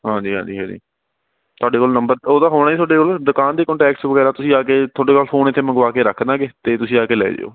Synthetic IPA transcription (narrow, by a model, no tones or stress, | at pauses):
ɦãːɲd͡ʒiːɦã̰ːɲd͡ʒiːɦãːd͡ʒḭː | t̪ʰʊaːɖeːkoːlnəmbəɾoːd̪aːɦoːɳaːiːt̪ʊwaːɖeːkoːld̪ʊkaːnd̪eːkɔ̃ɳʈɛːksʋəɡɛːɾaːt̪ʊsĩːaːkeːt̪ʰoːɖeːkoːlfʰoːnɪt̪ʰːeːməŋɡʋaːkeːɾəkʰd̪ãːɡeːt̪eːt̪ʊsĩːaːkeːlɛ̰ːd͡ʒḛːo̰ː